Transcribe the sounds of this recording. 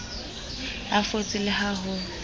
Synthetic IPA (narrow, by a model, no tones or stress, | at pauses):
afot͡sʼɪlɪhaɦʊ